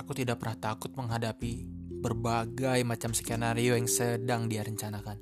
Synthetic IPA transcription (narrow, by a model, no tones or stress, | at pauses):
akut̪idaʔ̚pərnaht̪akʊt̪̚məŋɦadapibərbaɡajmat͡ʃamsə̥kanaɾiojaŋsədaŋdiaɾəɲt͡ʃanakan